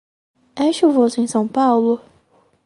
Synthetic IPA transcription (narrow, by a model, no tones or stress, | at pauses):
eʃuvosẽj̃sɐ̃w̃pawlʊ